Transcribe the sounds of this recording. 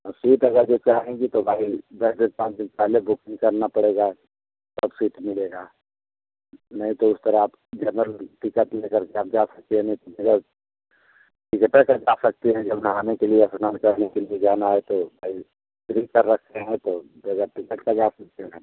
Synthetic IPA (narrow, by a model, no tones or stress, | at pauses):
siːʈɐɡəɾd͡ʒoːt͡ʃaːɦẽɡit̪obʱaːibɛːd͡ʒ̪et̪̚pãːt͡ʃd̪ɪnpɛɦlebʊkɪ̃ŋɡkɐɾnapɐɽeːɡa | t̪ɐbsiːʈmɪleːɡaː | nɐɦĩt̪oʊst̪əɾaaːp | d͡ʒənɾəlʈɪkət̪lekəɾkeaːp̚d͡ʒasɐk̚t̪eɦɛ̃nɐɦĩt̪obeɡəɾ | ʈikepekad͡ʒaːsɐk̚t̪eɦɛ̃d͡ʒɐbnɦaːnekelieɐsnaːnkɐɾnekelied͡ʒaːnaɦɛt̪obʱaːi | t̪ɾikəɾːɐkʰt̪eɦɛ̃t̪obeɡəɾʈɪkət̪kad͡ʒaːsɐk̚t̪eɦɛ̃ː